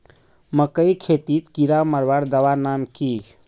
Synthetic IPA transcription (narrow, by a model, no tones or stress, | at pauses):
məkəjkʰet̪it̪kiɾaməɾʋaɾd̪əʋanamki